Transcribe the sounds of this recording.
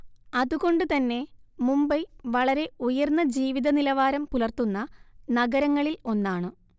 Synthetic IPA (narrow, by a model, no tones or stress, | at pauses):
ɐðuɣo̞ɳɖɨt̪ɐnːe̞mumbɐjʋɐɭɐɾe̞ujɐrnːɐd͡ʑiːʋiðɐnilɐʋaːɾɐmpulɐrt̪unːɐnɐɡɐɾɐŋːɐɭilo̞nːaːɳɨ